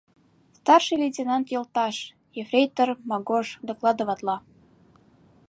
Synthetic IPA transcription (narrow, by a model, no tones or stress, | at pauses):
st̪ɑrʃɨlʲetʲenɑnt̪jɤ̆lt̪ɑʃ | jefrʲejt̪ərmɑɡoʃd̪ɤ̆klˠɑd̪əβɑt̪lɑ